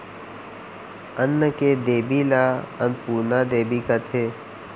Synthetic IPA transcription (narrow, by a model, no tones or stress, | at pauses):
ənːəked̪eːbilaənpuːnad̪eːbikat̪ʰeː